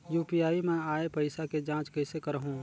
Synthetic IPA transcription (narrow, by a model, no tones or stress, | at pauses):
juːpijaːimɛ̃ːaːepɐɪsaked͡ʒãːt͡ʃkɛɪsekɐɾɦũː